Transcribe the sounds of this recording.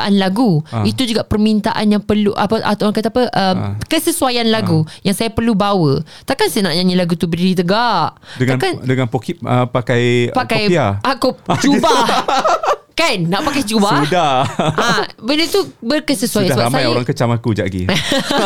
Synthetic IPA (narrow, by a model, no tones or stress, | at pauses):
ʔa̰nlaɡuit̪ud͡ʒuɡaʔpərmint̪aʔa̰njaŋpərluʔapəʔa̰t̪aɾaŋkat̪apəʔəmkəsəsuajanlaɡujaŋsajapərlubawə | t̪akansajanaʔɲãɲilaɡut̪ubədidit̪əɡaʔdəŋankandəŋanpokiəpakajpakajiaʔakut͡ʃubah | kanːaʔpakajt͡ʃubaudahabənət̪ubərkəsəsuajandaəbaamsajoɾaŋkət͡ʃamakud͡ʒa̰ʔɡḭ